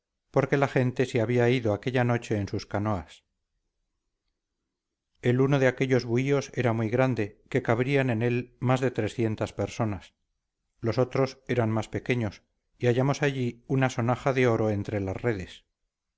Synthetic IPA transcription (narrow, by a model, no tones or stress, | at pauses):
poɾke̞laχe̞nt̪e̞seaβiaiðo̞ake̞ʎano̞t͡ʃe̞ːnsuskano̞as | e̞luno̞ðeake̞ʎo̞zβuio̞se̞ɾamuijɣɾand̪e̞ke̞kaβɾiane̞ne̞lmazðe̞t̪ɾe̞sθje̞nt̪aspeɾso̞nas | lo̞so̞t̪ɾo̞se̞ɾanmaspe̞ke̞ɲo̞s | iaʝamo̞saʝiunaso̞naxaðe̞o̞ɾo̞e̞nt̪ɾe̞lazre̞ðe̞s